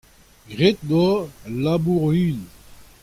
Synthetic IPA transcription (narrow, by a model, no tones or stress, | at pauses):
ɡʁet̪̚d̪ɔlabuʁyl